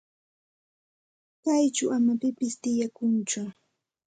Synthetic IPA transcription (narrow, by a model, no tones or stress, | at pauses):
kajt͡ʃʊamapɪpɪst̪ɪjakʊnt͡ʃʊ